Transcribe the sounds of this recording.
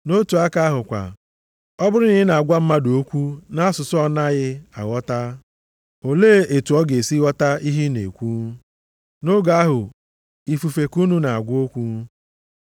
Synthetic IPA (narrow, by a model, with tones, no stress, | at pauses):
no˦tu˨a˦ka˦a˦ɦʊ˨kʷa̰˨ | ɔ˦bʊ˦ɾɪ˦nɪ˦ɪ˦na˨a˨ɡʷa˦m̩˦ma˦do˦kʷu˦na˦sʊ˨sʊ˦ɔ˦na˦ɣɪ˦a̰˨wɔ˦ta˦ | o˨leː˦˨e˨tu˨ɔ˦ɡe˨si˦ɔ˦ta˦i˦ɦi˦nḛ˨kʷu˦ | no˦ɡa˦ɦʊ˨ | i˨fu˨fe˨ku˦nu˦na˨a˨ɡʷo˦kʷu˦